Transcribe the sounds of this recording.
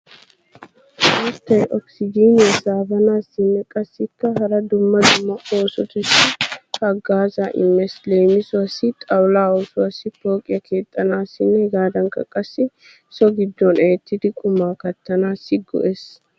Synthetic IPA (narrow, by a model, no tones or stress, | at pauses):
at̪ːɐjʔɔksɪd͡ʒiːnɐsaːbɐnaːsːɪnːɛkʼɐsːɪkːɐhɐɾɐd̪ʊmːɐd̪ʊmːɐʔo̞ːsɔt̪ʊʃɪhɐɡaːzaʔɪ̰mːɛsleːmɪsʊɐsːɪt̪ʼɐwlaːoːsʊɐsːɪpo̞ːkʼɪjɐkʰe̞ːt̪ʼːɐnaːsɪnːɛɡaːd̪ɐŋkɐ̰kʼɐsːɪ | sɔɡɪd̪ːɔnɛt̪ːɪd̪ɪkʼʊmaːkɐt̪ːɐnaːsɪɡɔ̰ʔes